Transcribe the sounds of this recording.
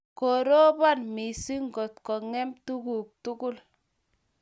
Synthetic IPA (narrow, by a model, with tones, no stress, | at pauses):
kɔ˨ɾo˦ba˦nmi˨si˦ŋɡɔ˨tkɔ˨ŋɛ˦mtu˦ku˨k̚tu˦kʊ˦l